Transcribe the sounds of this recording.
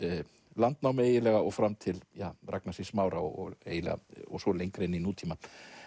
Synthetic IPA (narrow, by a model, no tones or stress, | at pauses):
lant̪̚nawmeːjɪlɛɣaɔɣfɾamːt̪ʰɪljaraknasɪsmaːwɾaɔ̰ɔ̰ḛːjɪlɛ̰ɣa̰ɔ̰ɣsɔlejŋkɾenːinuːt̪ʰiːma